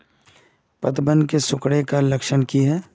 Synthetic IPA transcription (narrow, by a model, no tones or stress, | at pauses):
pɐt̪bə̃nd̪kesʊkɽekalɐkʃənkiɦɛː